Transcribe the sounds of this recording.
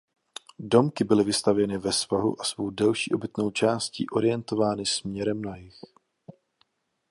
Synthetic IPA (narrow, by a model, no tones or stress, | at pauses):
do̞mkɪbɪlɪvɪst̪avjɛnɪvɛsvaɦṵʔasvo̞wdɛlʃḭːʔo̞bɪt̪no̞wt͡ʃaːscḭːʔo̞ɾɪjɛnt̪o̞vaːnɪsmɲɛɾɛmnajɪx